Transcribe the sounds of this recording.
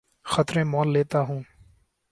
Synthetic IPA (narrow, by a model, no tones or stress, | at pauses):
xət̪ɾẽːmɔːlːeːt̪aːɦũː